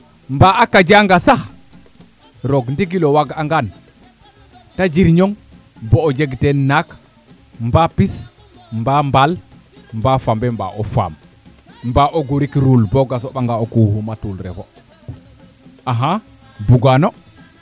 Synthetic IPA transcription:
mbaʔakːad͡ʒaŋɡasah | ɾɔɡndiɡilɔwaɡaŋɡan | tad͡ʒiɾɲɔŋ | bɔːd͡ʒeɡtɛnak | mbapis | mbambal | mbafambɛmba̰ʔɔfa̰m | mbaʔɔɡuɾikɾulbɔɡasɔɓaŋɡaɔkuhumatulɾɛ̰fɔ | ʔaɦa | buɡanɔ

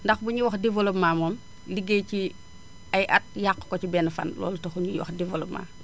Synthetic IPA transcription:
ndɐxbuɲiwɐxdivolomaːmɔm | liɡejci | ɐjʔɐt̚jaqːkɔcibɛnfɐ̰nlɔ̰ːlutɐxuɲiwɐ̰xdivoloma̰ː

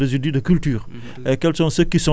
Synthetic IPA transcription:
dezyd̪id̪əkylt̪yːʁ | ekɛlsɔ̃səkisɔ̃

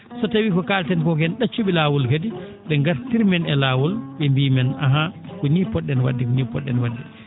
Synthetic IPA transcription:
sɔtawiːkɔkaːltɛnkɔkɛnɗat͡ʃːuɓilaːwulkadi | ɓɛŋɡaɾtiɾmɛnɛlaːwɔlɓɛmbiːmɛnaɦakɔnipɔɗːɛnwa̰dːikɔnipɔɗːɛnwadːi

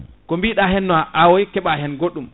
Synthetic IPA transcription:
kɔmbiɗaɦɛnːɔaʔawɔjkɛɓaɦɛnɡoɗːum

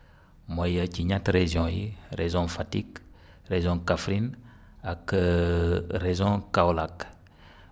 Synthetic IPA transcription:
mojəciɲatɾezjɔ̃jiɾezɔ̃fatik | ɾezɔ̃kafɾin | ak | ɾezɔ̃kawlak

